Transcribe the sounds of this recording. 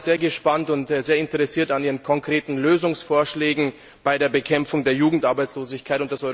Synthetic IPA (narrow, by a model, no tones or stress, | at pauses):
z̥eːɐɡəʃpantʊntzeːɐɪntəʁɛsiːɐtaniːʁənkʰɔŋkʁ̥eːtn̩løːzʊŋsfoːɐʃlɛːɡŋ̩ | b̥aɪdeːɐbəkʰɛmfʊŋdeːɐjuːɡŋ̩tʔaɐbaɪt͡sloːzɪçkʰaɪtʊntd̥asʔɔʏ